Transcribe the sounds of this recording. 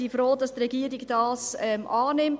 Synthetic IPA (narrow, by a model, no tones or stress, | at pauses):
ifɾoːdɑstɾɛɡiːəɾiɡd̥ɑːsɛmʔɑːnɪmt